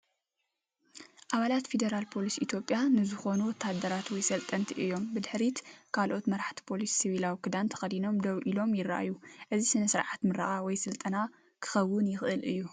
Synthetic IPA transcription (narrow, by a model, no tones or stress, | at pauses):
ʔaβalat̪fe̞d̪ɐɾalpʰo̞lisʔit̪ʰjo̞pʼjanɨzɨxo̞nuwɔt̪ʰːad̪ːɐɾat̪wɔjsɐlt̪ʼɐnt̪ʰiʔɨjːo̞mbɨd̪ɨħɾit̪kʰalʔo̞t̪mɐɾaħt̪ʰi̥pʰo̞lisːiβilawikʰɨd̪ant̪ʰɐ̥xɐd̪ino̞md̪ɐβʔilo̞mjɪɾːa̰ʔa̰juʔɨzisɨnɐsɨɾʕat̪mɨɾa̰ʔʼawɔjsɨlt̪ʼɐna | kʰɨ̥xɐwːʊnjɪxʔɨlʔɨjːu